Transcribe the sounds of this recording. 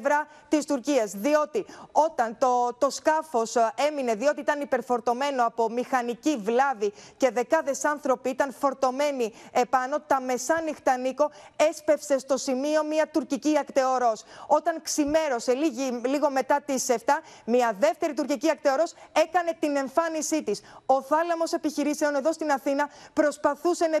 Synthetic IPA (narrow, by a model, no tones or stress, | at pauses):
vɾɐ | t̪ist̪uɾciɐzðio̞t̪io̞t̪ɐnt̪ot̪o̞skɐfo̞se̞mine̞ðio̞t̪iit̪ɐnipe̞ɾfo̞ɾt̪o̞me̞no̞ɐpo̞mixɐnicivlɐvice̞ðe̞kɐðe̞sɐnθɾo̞piit̪ɐnfo̞ɾt̪o̞me̞nie̞pɐno̞t̪ɐme̞sɐnixt̪ɐniko̞e̞spe̞fse̞st̪o̞simio̞miɐt̪uɾciciɐkt̪eo̞ɾo̞so̞t̪ɐŋksime̞ɾo̞se̞liiliɣo̞me̞t̪ɐt̪iseft̪ɐmiɐðe̞ft̪e̞ɾit̪uɾciciɐk̚t̪eo̞ɾo̞se̞kɐne̞t̪ine̞ɱfɐnisit̪iso̞θɐlɐmo̞se̞piçiɾise̞o̞ne̞ðo̞st̪inɐθinɐpɾo̞spɐθuse̞n